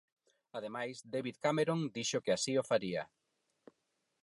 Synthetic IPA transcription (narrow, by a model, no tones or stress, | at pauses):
að̞emajsd̪eβiðkameɾond̪iʃʊkɪasiofaɾia